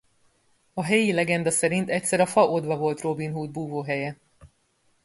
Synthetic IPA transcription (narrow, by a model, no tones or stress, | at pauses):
ɒɦɛjilɛɡɛnd̪ɒsɛɾint̪ɛc̚ʲsɛɾɒfɒʔod̪vɒvo̞lt̪ro̞binɦuːd̪̚buːvoːɦɛjɛ